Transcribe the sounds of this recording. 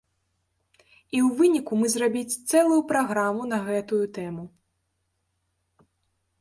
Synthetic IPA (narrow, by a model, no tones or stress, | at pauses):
iwvɨnʲikumɨzrabʲit͡sʲt̪sɛlˠujupɾaɣɾamunɐɣɛt̪ujut̪ɛmu